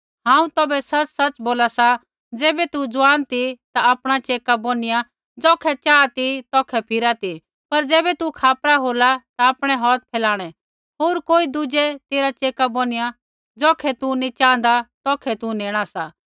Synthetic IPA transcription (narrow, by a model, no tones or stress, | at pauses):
ɦãːũt̪ɔːbɛsɐt͡ʃsɐt͡ʃboːlasa | d͡zɛːbɛt̪ud͡zʊʋaːnt̪it̪aapɽ̃at͡ʃeːkabonɪja | d͡zɔːkʰɛt͡ʃaːt̪it̪ɔːkʰɛpʰɪɾat̪i | pɐɾd͡zɛːbɛt̪ukʰaːpɾaɦoːlat̪aːpɽ̃ɛɦɔːt̪̚pʰɛːlaːɽ̃ɛ | ɦoːɾkoːid̪ʊd͡ʒɛt̪eːɾat͡ʃeːkaboːnɪja | d͡zɔːkʰɛt̪unit͡ʃãːn̆d̪at̪ɔːkʰɛt̪uneːɽ̃asa